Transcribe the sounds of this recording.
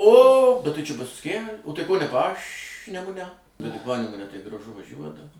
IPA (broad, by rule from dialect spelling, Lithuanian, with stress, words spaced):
oː bʲɛt ˈtɐɪ t͡ʃʲɛ ˈbʊs kʲiɛ oː ˈtɐɪ koː nʲɛ ˈpɑːʃʲnʲɛmʊnʲɛ bʲɛt tɐɪ ˈpɑːnʲɛmʊnʲɛ tɐɪ ɡrɐˈʒʊ ʋɐˈʒʲuɔt